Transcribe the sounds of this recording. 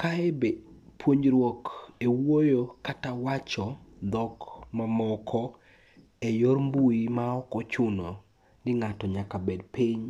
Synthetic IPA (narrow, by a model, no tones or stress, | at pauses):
kaɛbe | pwoɲɾwokewojokatawat͡ʃɔd̪ɔkmamɔkʰɔ | ejormbuimaɔkɔt͡ʃʊnɔ | nɪŋatɔɲakabedpiɲ